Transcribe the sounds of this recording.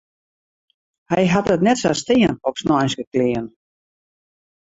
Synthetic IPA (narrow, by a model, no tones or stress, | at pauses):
hɛjɦatətnɛtsastɪənɔpsnɔjnskəklɪən